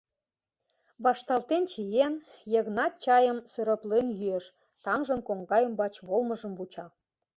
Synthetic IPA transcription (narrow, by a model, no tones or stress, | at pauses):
βɑʃt̪ɑlt̪ent͡ɕijenjə̆ɣnɑt̪̚t͡ɕɑjə̆msøɾə̆plenjyeʃ | t̪ɑŋʒə̆nkoŋɡɑjə̆mbɑt͡ɕβolmə̆ʒə̆mβut͡ɕɑ